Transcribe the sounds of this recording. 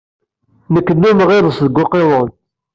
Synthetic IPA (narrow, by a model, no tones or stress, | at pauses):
nəkːənːumʁeðəsðəɡːʊqeðˤən